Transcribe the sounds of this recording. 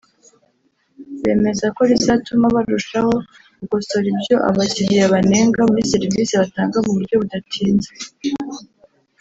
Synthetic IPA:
βe̞ːme̞zako̞ɾizatumaβaɾuʃaho̞ | ɡoso̞ɾibjo̞ʔa̰βaciɾijaβane̞ːŋɡamuɾisiɾiviːsiβataːŋɡamuβuɾɟo̞βudatʰiːnze

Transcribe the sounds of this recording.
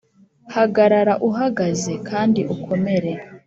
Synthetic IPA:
haɡaɾaɾaʔuɦaɡaze̞kʰaːndiʔukʰo̞me̞ɾe̞

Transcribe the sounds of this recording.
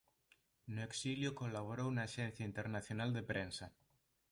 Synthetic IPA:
noeksiljokolaβ̞oɾownaːʃɛnθjaint̪eɾnaθjonald̪epɾensa

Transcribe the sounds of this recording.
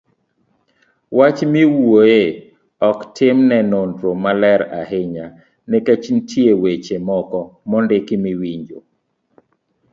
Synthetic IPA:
wat͡ʃmiwoe | ɔktɪmnɛnondɾomalɛɾa̰ɦɪɲa | nɛket͡ʃntʰiewet͡ʃemɔkɔmɔndɪkimiwiɲd͡ʒo

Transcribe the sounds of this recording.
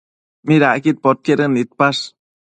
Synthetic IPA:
miɾaʔkit̪̚pot̪̚keɾənit̪̚paʂ

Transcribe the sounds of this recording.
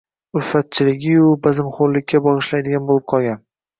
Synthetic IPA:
ʊɾfat̪̚t͡ʃʰɪlɪɡʲɪʊbazɪmχoɾlɪkʲʰːabɒʁɨʃlajd̪ɪɡʲanbolɪp̚qʰɒlˠɡʲan

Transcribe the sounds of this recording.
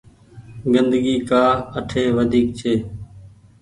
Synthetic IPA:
ɡənd̪əɡiːkaːəʈʰeːʋəd̪ʱiːk̚t͡ʃʰeː

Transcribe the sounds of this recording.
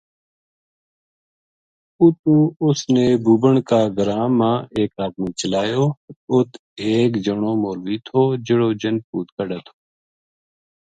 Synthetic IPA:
ut̪ũːʊsneːbuːbəɳkaːɡəɾãːmãːeːkaːd̪̚miːt͡ʃəlaːjoːʊt̪ʰ | eːkd͡ʒəɳoːmoːlʋiːt̪ʰoːd͡ʒɪɽoːd͡ʒənpuːt̪kəɖaːt̪ʰo̥ː

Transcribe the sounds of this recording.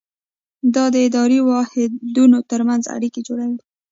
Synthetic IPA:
d̪ɑd̪əɪd̪ɑɾiwɑhɪd̪unot̪əɾmanza̰ɽiked͡ʒoɽawe

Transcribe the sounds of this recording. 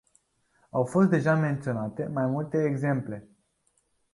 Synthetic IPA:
awfo̞st̪̚d̪e̞ʒame̞nt̪sio̞nat̪e̞majmult̪e̞ːɡze̞mple̞

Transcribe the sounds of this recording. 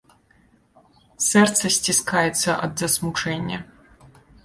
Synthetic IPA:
sɛrt̪sʰɐsʲtʲiskʰajɛt̪sʰɐʔɐ̰d̪zɐsmuʈ͡ʂʰenʲːɐ̰

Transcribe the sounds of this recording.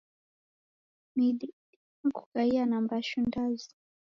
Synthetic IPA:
mid̪i | ku̥kaijanambaʃundazi̥

